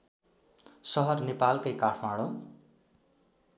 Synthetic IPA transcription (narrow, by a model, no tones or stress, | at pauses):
sʌɦʌrnepalkʌjkaʈʰmaɽ̃o